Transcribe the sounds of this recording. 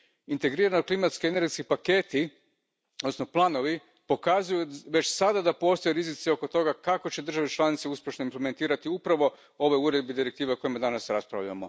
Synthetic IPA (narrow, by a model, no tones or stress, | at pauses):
int̪e̞ɡɾiːɾanoklˠimat̪skieneɾɡeskipake̞t̪i | od̪nosno̞plˠaːno̞ʋi | po̞kazujuʋe̞t͡ɕsad̪ad̪apo̞ːst̪o̞jeɾizit̪sio̞ko̞t̪o̞ɡakako̞t͡ɕe̞d̪r̩ʒaʋet͡ʃlˠanit̪seuspje̞ʃnoimpleme̞nt̪iːɾat̪iupɾaʋo̞ | o̞ʋojuɾe̞d̪̚bed̪iɾek̚t̪iːʋeoko̞jimad̪anasɾaspɾa̰ʋʎa̰mo̞̰